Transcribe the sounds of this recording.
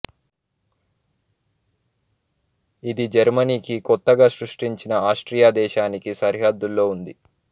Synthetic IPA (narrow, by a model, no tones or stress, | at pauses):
id̪id͡ʒɐɾmɐniːkikɔt̪ːɐɡaːʃɾuʂʈiɲt͡ʃinɐaːʂʈɾijaːd̪ɛːʃaːnikisɐɾɦɐd̪ːulːo̞ːund̪i